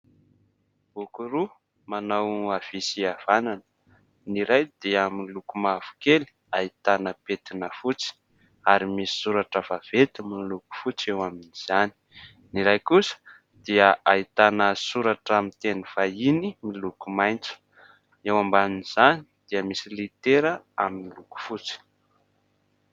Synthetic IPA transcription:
b̥ukuɾu | manawav̥isiav̥ananə̥ | niɾajd̪̥iəmilukumav̥u̥keli̥ | ait̪anəpet̪inəfut͡si̥ | aɾimisi̥suɾaʈ͡ʂəv̥av̥et̪aminluku̥fut͡sewaminiz̥ani̥ | niɾajkusə̥ | d̪̥iəait̪anəsuɾaʈ͡ʂamint̪eniv̥ainimilukumajnt͡su̥ | ewambaminiz̥ani̥d̪̥iəmisilit̪eɾəaminiluku̥fut͡si̥

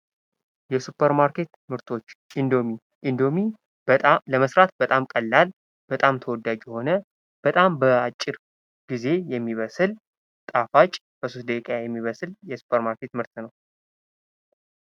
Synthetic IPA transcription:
jɛsupʰːəɾmaɾkʰe̞t̪mɨɾt̪ʰo̞t͡ʃːʔind̪o̞mi | ʔind̪o̞mi | ləməsɾat̪̚bət̪ʼamkʼəlːal | b̥ət̪ʼamt̪ʰəwɔd̪ːad͡ʒjɛho̞nə | b̥ət̪ʼambəat͡ʃʼːɪɾ | ɡ̥ize̞jɛmːiβəsɨl | t̪ʼafat͡ʃʼ | b̥əsost̪̚d̪əkʼkʼajɛmːiβəsɨljɛsu̥pʰəɾmaɾkʰe̞t̪mɨɾt̪nəw

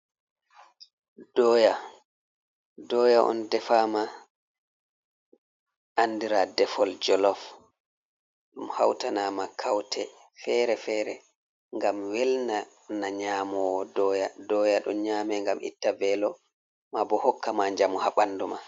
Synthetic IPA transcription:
d̥ɔːja | dɔːjaʔɔ̰ndɛfaːma | ʔanːdiɾadɛfɔld͡ʒɔlɔf | ɗumhawtanamakʰawtʰɛ | fɛːɾɛfɛɾɛ | ŋɡamwɛlna | naɲaːmɔwɔdɔjadɔːjaɗɔ̰ɲaːmɛŋɡamʔḭtːabɛːlɔ | mabɔhɔkːamaɲd͡ʒamɔhaɓanːduma

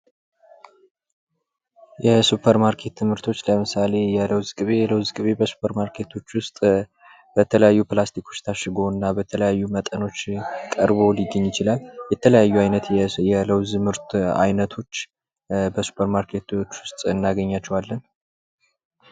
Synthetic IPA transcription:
jɛsupʰəɾmaɾkʰe̞t̪ːʰɨmhɨɾt̪ʰo̞t͡ʃːləmɨsale̞jɛləwzɡʼɨβe̞ləwzɡʼɨβebəsu̥pʰəɾmaɾkʰe̞t̪ʰo̞t͡ʃːwʊst̪ʼ | b̥ət̪ʰələjajːuplast̪ikʰo̞t͡ʃːt̪ʰaʃɨɡo̞ɨnːabət̪ʰələjajːumət̪ʼəno̞t͡ʃːkʼəɾβo̞lɪɡːəɲːjɪt͡ʃɪlaljɛt̪ʰələjajːuajnət̪jɛləwzɨmɨɾt̪ʰa̰jnət̪ʰo̞t͡ʃː | bəsu̥pʰəɾmaɾkʰe̞t̪t͡ʃːwʊst̪ʼɨnːaɡəɲːat͡ʃːɛwalːən

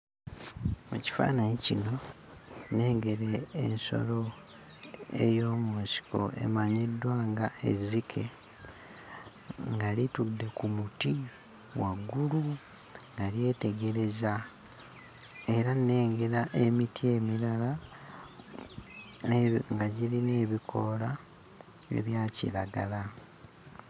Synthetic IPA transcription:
muci̥fa̰ːnaɲicino̞ | ne̞ːŋɡe̞ɾḛːnso̞̰lo̞ | ḛjo̞ːmunsi̥ko̞̰ʔe̞̰maɲedːwaːŋɡaḛzikʰe̞ | ŋɡalitudːe̞kumuti | waɡulu | ŋɡalje̞ːte̞ɡe̞ɾe̞za | e̞ɾanːe̞ːŋɡeɾaʔe̞mitʰie̞milala | ŋɡaɟiline̞ːβikʰo̞la | ḛβjaːcḭlaɡala

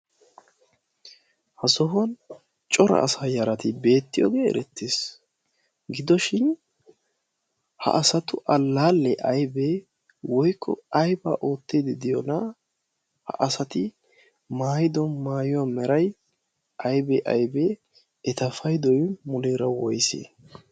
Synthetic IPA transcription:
hɐsɔɦʊn | t͡ʃʼɔɾɐ̰ːsaːjɐɾɐt̪ɪbe̞ːt̪ːɪjo̰ːɡeːɛ̰ɾɛt̪ːeːs | ɡɪd̪ɔʃɪn | hɐ̰ʔɐsɐt̪ʊʔɐlːaːlːɛʔɐjbe | wɔjkʰːɔ̰ɐjba̰ːʔo̞ːt̪ːed̪ɪd̪ɪjɔnɐ | hɐ̰ʔɐsɐt̪ɪ | maːjɪd̪ɔmaːjʊwaːmɛɾɐj | ʔɐjbɛʔɐjbɛ | ɛt̪ɐfɐjd̪ɔjmʊleːɾɐwɔjsḛː

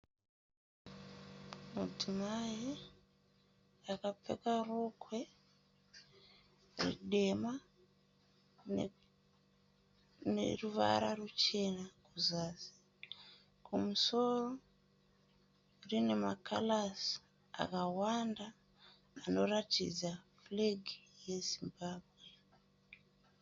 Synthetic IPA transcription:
mud͡zimai | akap͡fḛkarokwe̞ | rḭɗe̞ma | nḛruʋa̰ɾarut͡ʃe̞nakuzaːsi̥ | kumuso̞ro | rine̞makʰa̰las | a̰kawandaː | no̞ratḭd͡za | fleɡʱije̞zimbaːbʱwe̞

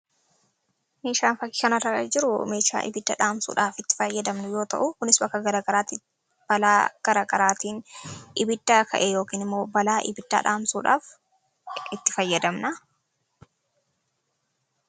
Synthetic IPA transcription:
meːʃaːnfɐkːɪ̥kɐnɐrːɐkɐd͡ʒɪɾʊmeːʃa̰ːʔɪ̰bɪd̪ːɐ̰ᶑaːmsṵːᶑaːfɪt̪ːɪ̥fɐjːɐd̪ɐmnʊjo̞ːt̪ɐ̰ʔʊkʊnɪsbɐkːɐɡɐɾɐɡɐɾaːt̪i | b̥ɐlaːɡ̥ɐɾaːɡɐɾaːt̪iːnʔɪbɪd̪ːaːkʰɐʔɛjo̞ːkiːnɪmːo̞ːbɐlaːʔɪ̰bɪd̪̥ːa̰ːᶑa̰ːmsṵːᶑa̰ːf | ɪt̪ːɪ̥fɐjːɐd̪ɐmnɐ

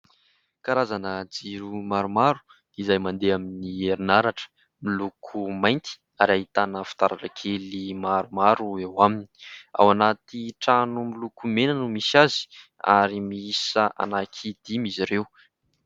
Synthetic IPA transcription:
kaɾazanəd͡ziɾumaɾumaɾu̥ | izajmand̪eaminieɾinaɾaʈ͡ʂə̥ | milukʰumajnt̪i̥ | aɾaɦit̪anəfu̥t̪aɾaʈ͡ʂəkʰelimaɾumaɾuewamini̥a̰wanat̪iʈ͡ʂanumilukumenanumisazi̥a̰ɾimiisəʔa̰nakʰid̪̥imiziɾew

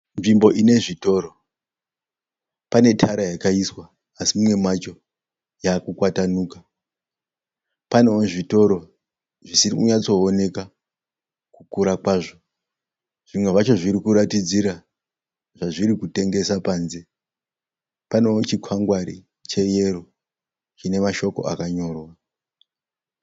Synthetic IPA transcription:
nʐimbo̞ʔine̞ʐito̞ɾo̞ | pane̞tʰaɾajakaiswaː | simumwe̞mwat͡ʃo̞ | jakukwatanuːka | pane̞oʐito̞ɾo̞ | ʐisiɾikuɲat͡so̞ːne̞ka | kukuɾakwaːʐo | ʐ̥imwe̞ʐat͡ʃo̞ʐiɾikuɾatid͡ziɾa | ʐaʐiɾikute̞ŋɡe̞sapaːnze | pane̞ot͡ʃikʰwaŋɡwaɾḭ | t͡ʃe̞je̞ro | t͡ʃine̞maʃo̞ko̞̰ʔakaɲo̞ːrwa

